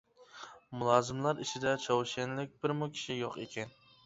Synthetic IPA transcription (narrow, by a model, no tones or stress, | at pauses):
mulˠɑːzɪmlæɾɪt͡ʃʰɪd̪ɛt͡ʃʰɑwʃenlɪk̚ʲbɪɾmʊkʲʰi̥ʃijoqḛkʲɛn